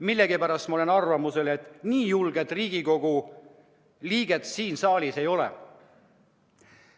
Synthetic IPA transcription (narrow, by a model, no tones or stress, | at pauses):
milːe̞ɡ̥ipæɾɑst̪mɑole̞nɑrvɑmuse̞le̞t̪ːˑniːjulɡ̥e̞t̪ːˑriːɡ̥iko̞ɡ̥u | liːɡ̥e̞t̪siːnsɑːlʲise̞jo̞lḛ